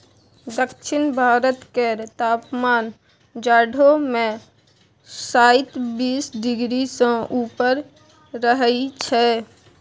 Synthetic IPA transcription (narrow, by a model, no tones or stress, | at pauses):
d̪əkʃɪnbʱaːɾət̪keɾt̪aːpmaːn | d͡ʒaːɖʱomẽ | saːɪt̪biːsɖɪɡɾisõʔuːpəɾː | əɦəit͡ʃʰɛ